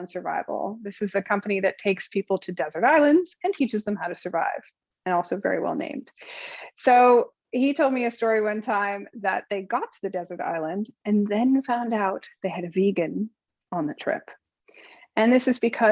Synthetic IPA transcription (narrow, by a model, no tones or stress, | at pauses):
nsə˞va̰ɪvl̩ˠðɪsɨzɨkʰʌ̃mpɨniðɨtʰeɪkspʰipl̩ˠtʰɨdɛzə˞ɾaɪlˠɨ̃ndz̥ɨ̃ntʰit͡ʃɨzðə̃mhaʊɾɨsə˞va̰ɪv̥ | ɨ̃nɔlˠsoʊvɛ̰ɹḭwɛ̰lˠnḛ̃ɪ̃md̥soʊ | hitʰoʊlˠd̚miɨstɔɹiwʌ̃ntʰãɪ̃mðɨ̰t̪̚ðeɪɡɑtʰɨðɨdɛzə˞ɾa̰ɪlˠə̃ndɨ̃nðɨ̃nfãʊ̃ndaʊt̪̚ðeɪɨɾɨviɡɨ̃n | ə̃nðɨtʰɹ̥ɪ̰p | ɨ̃nðɪsɨzbɨkʰʌ